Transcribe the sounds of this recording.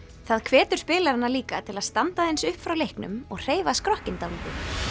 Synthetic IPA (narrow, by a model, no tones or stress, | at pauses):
θaðkʰvɛːt̪ʏɾ̥spɪːlaɾanːaliːkat̪ʰɪlaðst̪ant̪aðejnsʏhpfɾawlejhknʏ̰mɔɣr̥eːjvaskɾɔhcɪnt̪awliːt̪ɪ